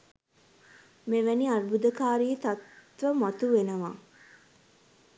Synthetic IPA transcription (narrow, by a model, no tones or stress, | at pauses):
meʋæniaɾbud̪əkaːɾiːt̪at̪ʋəmɐt̪uʋenəʋaː